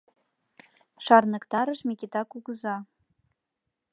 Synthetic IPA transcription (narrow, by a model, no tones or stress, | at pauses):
ʂarnɨkt̪aɾəʂmʲikʲit̪akuɡza